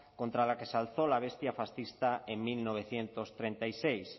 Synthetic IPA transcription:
kõnt̪ɾalakesalθolaβ̞est̪jafasθist̪aeŋmilnoβ̞eθjent̪ost̪ɾent̪ajsejs

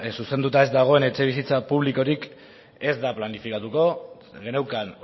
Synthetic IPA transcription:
suse̞nd̪ut̪ae̞zd̪aɣ̞o̞e̞ne̞t͡ʃe̞β̞isit͡sapuβ̞liko̞ɾik | e̞zd̪aplanifikat̪uko̞ | ɡenewkan

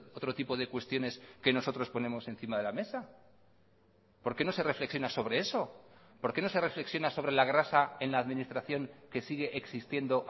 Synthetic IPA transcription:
ot̪ɾo̞t̪ipo̞ð̞e̞kwe̞st̪jo̞ne̞ske̞no̞so̞t̪ɾo̞spo̞nẽ̞mo̞se̞nθimaðe̞lame̞sa | po̞ɾke̞nose̞re̞fle̞ksjo̞naso̞βɾe̞e̞so̞ | po̞ɾkeno̞se̞re̞fle̞ksjo̞naso̞β̞ɾe̞laɣ̞ɾasae̞nlaːðmĩnist̪ɾaθjo̞ŋke̞siɣ̞e̞ʔeksist̪je̞nd̪o̞ʔ

